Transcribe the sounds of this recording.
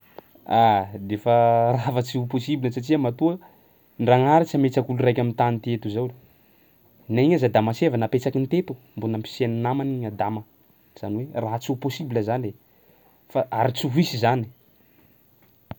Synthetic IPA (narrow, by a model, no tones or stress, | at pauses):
ad̪efəravat͡siuposibilnəsatiamat̪uə | nɖ͡ʐaŋaɾit͡samet͡sakulurajkʲamint̪anit̪iet̪uzawl | naiɲazad̪amasevanapet͡sakint̪et̪u̥ | mbonampi̥seninamaniɲad̪amə | z̥aniweraɦat͡suposibiləzane | faʔaɾit͡suɦisizani̥